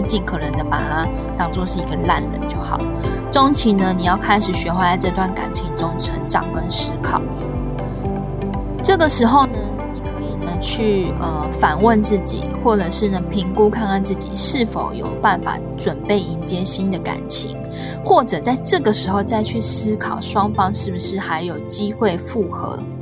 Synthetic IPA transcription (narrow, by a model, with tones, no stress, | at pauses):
t͡ɕi˥˩nkʰɤ˨˩nə˧˥nd̪ə˨pa̰˨˥˩ | t̪ɑ˥ŋʈ͡ʂo˥ŋʂɻ̩˥˩i˧˥ɡə˨la˥˩nlə̰˨˩˦t͡ɕjo˥˩ʊxɑ̰˨˩˦ʊ | ʈ͡ʂo˥ŋt͡ɕʰi˧˥nə˧ni˨˩jɑ˥˩ʊkʰa˥ɪʂɻ̩˨˩ɕɥɛ˧˥xwa˧˥t͡sa˥˧ɪʈ͡ʂɤ˥˧t̪wa˥˩nka̰˨˩nt͡ɕʰi˧˥ŋʈ͡ʂo˥ŋʈ͡ʂʰə˧˥ŋʈ͡ʂɑ̰˨˩ŋkə˦nʂɻ̩˥kʰɑ̰˨˩˦ʊ | ʈ͡ʂɤ˥˩ɡə˩ʂɻ̩˧˥xo˥˧ʊnə˧ | ni˨˩kʰə˧˦i˨˩nə˩t͡ɕʰy˥˩ə˨˩fa˨˩nwə˥˧nt͡sɹ̩˥˩t͡ɕḭ˨˩˦xwɔ˥˩ʈ͡ʂɤ˨˩ʂɻ̩˥˩nə˩pʰi˧˥ŋku˥kʰa˥˧na˥˧nt͡sɹ̩˥˩t͡ɕḭ˨˩ʂɻ̩˥˩fo̰˧˥ʊjo̰˨˩ʊpa˥˩nfa̰˨˩˦ʈ͡ʂwə˨˩npe˥˩ɪi˧˥nt͡ɕjɛ˥ɕi˦˥nd̪ə˨ka̰˨˩nt͡ɕʰḭ˧˥ŋ | xwɔ˥˩ʈ͡ʂɤ˨˩t͡sa˥˧ɪʈ͡ʂɤ˥˩ɡə˨˩ʂɻ̩˧˥xo˥˧ʊt͡sa˥˧ɪt͡ɕʰy˥˩sɹ̩˥kʰɑ˨˩ʊʂwɑ˥ŋfɑ˥ŋʂɻ̩˥˩bu˩ʂɻ̩˥˩xa˧˥ɪjo˨˩ʊt͡ɕi˥xwe˥˧ɪfu˥˩xɤ̰˧˥